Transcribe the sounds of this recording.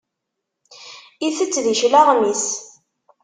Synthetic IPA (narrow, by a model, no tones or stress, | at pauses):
iθət͡sːðiʃlaʁmis